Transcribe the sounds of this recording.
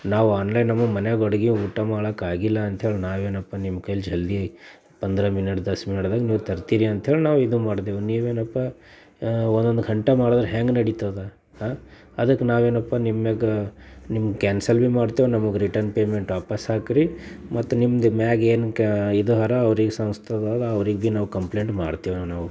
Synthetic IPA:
naːʋaːnlɐjnːɐmːɐmɐneɡoɽɐɡiuːʈːɐmaːɭɐkaːɡilːɐːnt̪ʰɦeːɭinaːʋeːnɐpːanimːkɐjld͡ʒʱɐld̪i | pɐnd̪ɐɾɐminɐʈd̪ɐsminɐɽd̪aːɡniːʋut̪ɐɾt̪iɾiɐnt̪ʰɦeːɭinaːʋid̪umaːɽd̪eːʋuniːʋeːnɐpːa | ond̪ond̪ɡʱɐɳʈemaːɽod̪ɐɾeɦeːŋɡnɐɽit̪ad̪e | haː | ɐd̪ɐkːenaːʋeːnɐpːanimːeɡ | nimːɡkæːnsɐlbimaːɖt̪iːʋunɐmɐɡeɾiʈɐɾnpeːmeɳʈʋaːpasaːkiɾimɐt̪ːunimːɐd̪mæːɡeːnkid̪uɦɐɾɐːʋɾiɡesɐ̃mst̪ʰɐd̪aːd̪ɐɐʋɾiɡbinaːʋukɐmpleːɳʈmaːɽt̪iːʋnaːʋu

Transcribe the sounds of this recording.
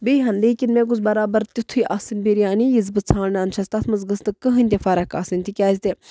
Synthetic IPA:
bejɦɐnd̪iːkʲinmẽːk̬uzbɐɾaːbɐɾt̪it̪ʰujʔaːsinbiɾijaːnijizbɨt͡sʰaːɽnaːnʃʰɐst̪ɐsmɐzɡɐst̪ɨkəɦɨnʲt̪ʲefɐɾɐka̰ːsinʲt̪ikʲaːzʲt̪e

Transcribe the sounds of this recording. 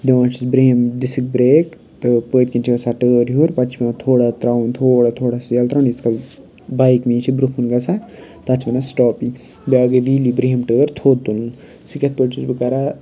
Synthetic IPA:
d̪eʋãːnt͡ʃʰisbɾeːmd̪isik̚bɾeːk | t̪ɨpəːt̪̚ʲkʲint͡ʃʰiɡɐsaʈəːɾɦuɾpɐt͡ʃʰbɐnat̪ʰoːɽat̪ɾaunt̪ʰoːɽat̪ʰoːɽasjɐlt̪ɾaniskɐl | bajkmĩːt͡ʃʰibɾukʰunɡɐsat̪ɐt͡ʃʰbɐnasʈɔːpi | bʲaːɡeʋiːlibɾeːmʈəːɾt̪ʰoːd̪̚t̪ulun | sikʲɐt̪̚pəːʈt͡ʃʰisbɨkɐɾa

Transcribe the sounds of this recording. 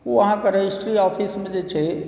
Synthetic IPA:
oəɦãkeɾəɦisʈɾiɔpʰismẽd͡ʒet͡ʃʰɛ

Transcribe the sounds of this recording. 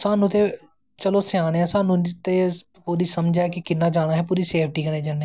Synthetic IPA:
saːnʊt̪e | t͡ʃəlosɪaːɽeɛ̃sãːnʊt̪e | puːɾiːsəmd͡ʒaːkikɪnːaːd͡ʒaːñaːɦɛpuːɾiseːpʰʈiːkənẽːd͡ʒəne

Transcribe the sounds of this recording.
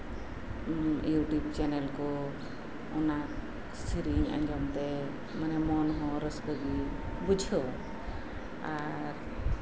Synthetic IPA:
juʈub̚t͡ʃɛnɛlkɔ | ɔnak | sʰiɾiŋa̰ɲd͡ʒɔmt̪ɛ | manɛmɔnɦɔ̃ɾəsbəɡibud͡ʒʱɔ | a | ɾ

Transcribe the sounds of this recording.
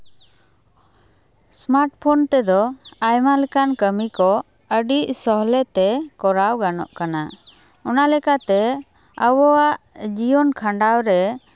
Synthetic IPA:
smaɾʈ̚pʰɔnt̪ɛd̪ɔajmalɛkankəmikɔ | əɖiʔsɔɦlɛt̪ɛkɔɾawɡanɔ̰ʔkana | ɔnalɛkat̪ɛ | əwɔwaʔd͡ʒijɔnkʰaɳɖawɾɛ

